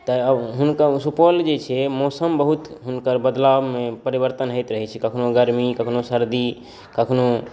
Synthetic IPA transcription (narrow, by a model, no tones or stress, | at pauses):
t̪əəbɦunkəsupəld͡ʒet͡ʃʰɛmɔsəmbəɦut̪ɦunkəɾbəd̪lawmepəɾibəɾt̪ənɦət̪ɾəɦɛt͡ʃʰɛkəkʰnoɡəɾmikəkʰnosəɾd̪i | kəkʰno